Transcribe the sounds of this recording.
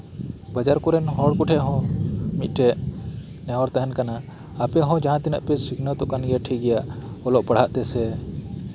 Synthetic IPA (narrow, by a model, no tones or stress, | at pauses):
bad͡ʒaɾkuɾɛnɦɔɽkuʈʰɛʔɦɔ̃mit̪ˀʈɛʔ | nɛɦɔɾt̪aɦɛnkanaː | pɛɦɔ̃d͡ʒaɦãt̪inə̰ʔpɛsikʰnɔt̪ɔʔkanɡɛʈʰiɡɛjaʔɔlɔʔpɐɽ̤aʔt̪ɛsɛ